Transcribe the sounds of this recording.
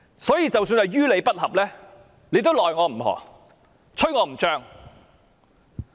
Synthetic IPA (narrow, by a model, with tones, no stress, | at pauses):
sɔː˨˥jiː˧t͡sɐ˨wsyː˧nɐ˨jɥyː˥le˨˧jpɐ˥t̚hɐ˨p̚lɛː˥ | le˨˧jt̪o˥wlɔː˨jŋɔː˨˧m̩˨˩ɦɔ̰ː˨˩ | t͡sʰɵ˥jŋɔː˨˧m̩˨˩t͡ʃœː˥ŋ